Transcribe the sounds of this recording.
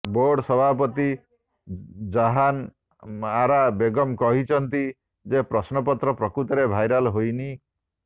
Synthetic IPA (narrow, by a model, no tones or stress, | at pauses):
boɾɖsɔbʱapɔt̪i | d͡ʒaɦan | aɾabeɡɔmkɔɦit͡ʃʰɔnt̪i | d͡ʒepɾɔsnɔpɔt̪ɾɔpɾɔkɾut̪ɔɾebʱajɾalɦojni